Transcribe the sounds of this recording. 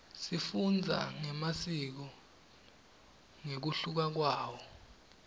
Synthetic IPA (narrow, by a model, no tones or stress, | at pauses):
sifund͡zʱa̰ŋɛmasik̬ɔ | ŋek̬uɬuk̬ak̬waːwɔ